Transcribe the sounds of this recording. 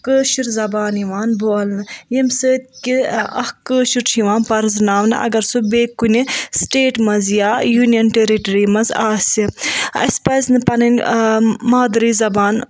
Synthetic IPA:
kəːʃiɾzɐbaːniʋaːnboːlnɨjɐmsəːt̪̚ʲkiɐhkəːʃuɾʰiʋãːnpɐɾznaːʋnɨʔɐ̰ɡɐɾsubeːkːunʲisʈeːʈmɐnzjaːjuːnijɐnʈeɾiʈɐɾimɐzaːsʲiɐ̰sʲpɐznɨpɐnɐnʲ | maːd̪ɾiːzɐbaːn

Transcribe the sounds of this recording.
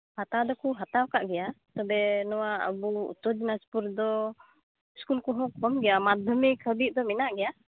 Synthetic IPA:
hat̪awd̪ɔkuɦat̪awkaʔɡɛjat̪ɔbɛnɔwaə̰bṵt̪ɔd͡ʒinaspuɾd̪ɔ | skulkɔɦɔ̃kʰɔmɡɛjamad̪ʱəmikʰəbiʔ̚d̪ɔminaʔɡɛja

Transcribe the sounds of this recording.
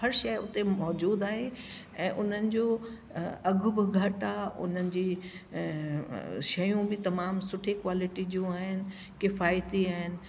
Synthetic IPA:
ɦɐɾʃɐjʊt̪emɔːd͡ʑuːd̪aːɦe | ɛ̃ːʔʊn̤ənɪ̆d͡ʑoː | ɐɡʱʊbɪɡʱɐʈaːʊ̰n̤ənɪ̆d͡ʑiː | ʃɐjũbɪt̪ɐmaːmsʊʈʰekwaːlɪʈiɗijũaːɦɪnɪ̆ | kɪfaːjt̪iaːɦɪnɪ̆

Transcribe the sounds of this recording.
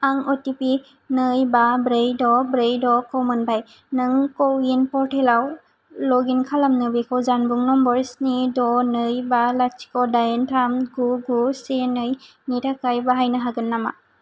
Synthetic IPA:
aŋɔtipi | nɯjbabɾejdɔbɾejdɔkɔwmɯnbaj | nɯŋkɔwinpɔɾtʰelaw | lɔɡinkʰalamnɯbikʰɔwzanbuŋnɔmbɔɾsnidɔnɯjbalat͡ʃi̥kɔdajentʰamɡuɡusenɯj | nitʰakajbaɦajnɯɦaɡɯnːama̰

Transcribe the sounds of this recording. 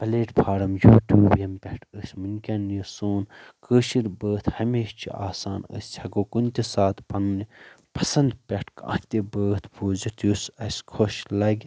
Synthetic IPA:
pɐleːʈpʰaːɾɐmjuːʈjuːbjɐmpʲɐʈʰəsʲmɨnʲkʲɐnjɐsoːnkəːʃiɾbəːt̪ʰhɐmeːʃt͡ʃʰḭa̰ːsaːnə̰sʲt͡ʃʰɐɡoːkunʲt̪isaːt̪pɐnni | pɐsɐnd̪pʲɛʈʰkã̰ːt̪ibəːt̪ʰpʰoːzit̪jusɐsʲkʰoʃlɐɡʲ

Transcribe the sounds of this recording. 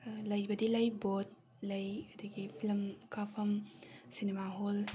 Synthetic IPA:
lɐjbɐdilɐjbot̚ | lɐjɐdɐɡipʰilmkʰapʰɐmsinemaɦol

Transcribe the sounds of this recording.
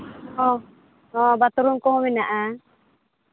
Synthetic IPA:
ɔ | ɔbat̪uɾuŋkɔɦɔminaʔa

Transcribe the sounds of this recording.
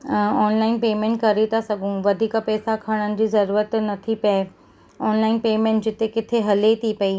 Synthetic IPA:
ɔːnlaːɪnpeːmẽːɳʈkɐɾet̪ʰasɐɡʱũʋɐd̪ʱiːkapɛːsakʰaːɽ̃ənɪ̆d͡ʑiːzɐɾuːɾət̪nɐt̪ʰipɐe | ɔːnlaːɪnpeːmẽːɳʈd͡ʑɪt̪ekɪt̪ʰeɦɐlet̪ʰipɐi

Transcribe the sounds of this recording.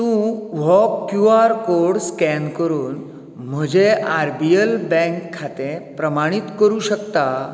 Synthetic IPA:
t̪ũʋɔpkjuaɾkoɾɽskɛnkəɾuːn | m̤əd͡ʑeaɾbiəlbɛ̃ŋkʰːat̪ẽpɾəmaɽ̃it̪kəɾuːɕəkt̪a

